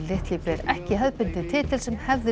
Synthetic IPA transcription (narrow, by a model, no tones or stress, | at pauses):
lɪht̪lɪpɾɛɾɛhcɪhœðpɪn̥t̪ɪt̪ʰɪt̪ʰɪlsɛmhɛvðɪ